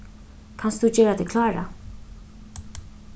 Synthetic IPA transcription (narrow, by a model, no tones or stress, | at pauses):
kʰanst̪ðut͡ɕɛːɾat̪ʰɪkʰlaːɾa̰